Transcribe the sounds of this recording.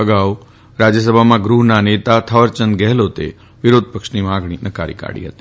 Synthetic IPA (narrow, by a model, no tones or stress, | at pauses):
əɡaʋ | ɾad͡ʒjəs̬əbʱamãɡɾuɦnanet̪at̪ʰəʋəɾt͡ʃənd̪ɡɛɦlot̪ḛ | ʋɪɾod̪̚ʱpəkʃnimãɡɽ̃inəka̰ɾḭka̰ɽḭɦə̰t̪i